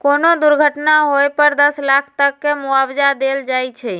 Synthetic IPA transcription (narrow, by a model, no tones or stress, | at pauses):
konod̪uɾɡʱəʈnaɦojpəɾd̪əslakʰt̪əkːemuawd͡ʒad̪eld͡ʒajt͡ʃʰɛ